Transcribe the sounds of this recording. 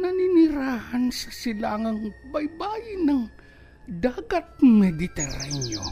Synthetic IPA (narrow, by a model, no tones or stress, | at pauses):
nɐninɪɾaːhansɐsɪlaːŋɐŋbɐjbaːjɪnɐŋ | d̪aːɡɐt̪̚mɛd̪ɪt̪ɛɾanjo